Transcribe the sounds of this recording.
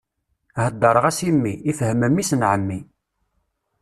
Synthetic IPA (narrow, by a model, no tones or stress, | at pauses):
həd̪ːɑɾˤəʁæsimːiifhəməmːisənʕəmːi